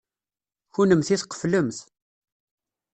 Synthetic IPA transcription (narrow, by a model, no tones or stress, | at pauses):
çunəmθiθqə̥fləmθ